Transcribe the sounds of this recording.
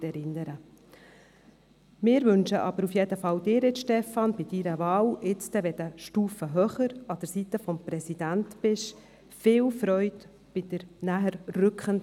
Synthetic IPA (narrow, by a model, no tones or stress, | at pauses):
ɛɾɪnːəɾə | mɪːɾvʏnʃəʔɑb̥əɾufjɛdəfɑwd̪ɪːɾɪt̪ʃtɛfɑnb̥ɪd̪iɾəvɑːlɪt͡st̪ɛʋɛd̪əʃtuːfəɦœχəɾɑd̥əɾsit̪əfɔmprɛsid̥̪ænt̪pɪʃ | fɪːlfɾœʏt | b̥ɪd̥̪əɾnæɦəɾrʏkχən